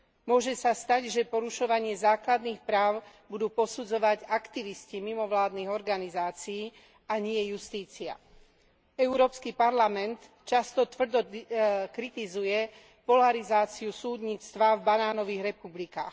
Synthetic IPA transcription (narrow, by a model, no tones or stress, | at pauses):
mʊɔʒɛsast̪aɟʒɛpɔɾuʃɔʋaɲɪɛzaːklad̪niːxpɾaːʊbud̪uːpɔsud͡zɔʋaɟakt̪iʋiscimimɔʋlaːd̪niːɣɔɾɡanizaːt͡sijiː | aɲɛjɛjust̪iːt͡sia̰ | ɛuɾɔːpskipaɾlamɛnt̪ | t͡ʃast̪ɔt̪ʋr̩d̪ɔkɾit̪izujɛ | pɔlaɾizaːt͡siusuːd̪ɲiːt͡st̪ʋavbanaːnɔʋiːɣɾɛpublikaːx